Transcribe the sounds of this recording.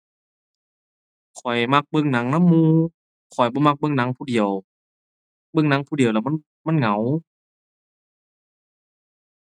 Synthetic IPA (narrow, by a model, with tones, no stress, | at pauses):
kʰɔ˨˩jma˧k̚bɤ˧˨ŋna˨˦ŋna˧˥˨mːuː˧˨ | kʰɔ˨˩jbɔː˧˦ma˧k̚bɤ˧˨ŋna˨˦ŋpʰuː˧di˨˩əw | bɤ˧˨ŋna˨˧˦ŋpʰuː˧di˨˩əwlɛː˧˩ma˧˥˨ | ma˧˥˨nŋa˨˦w